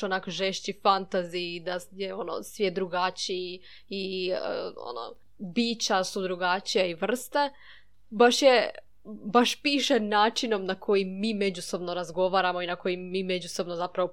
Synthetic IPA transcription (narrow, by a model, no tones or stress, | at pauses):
onakoʒeʃt͡ɕifant̪azid̪ajeo̞no̰sʋjed̪ɾuɡat͡ʃii | i | o̰no̰ | biːt͡ɕasud̪ɾuɡat͡ʃijaiʋr̩st̪e | baʃje | baʃpiːʃenaːt͡ʃino̞mnakʰo̞jimːiːme̞d͡ʑuso̞bno̞ɾazɡo̞ʋaːɾamo̞inako̞jimːiːme̞d͡ʑuso̞bnozapɾaʋo